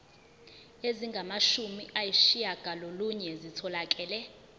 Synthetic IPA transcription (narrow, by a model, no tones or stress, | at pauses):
eziŋɡʱamaʃumiʔajiʃijaɡ̥ʱaloluɲɛzitʰɔlak̬ʼɛːlɛ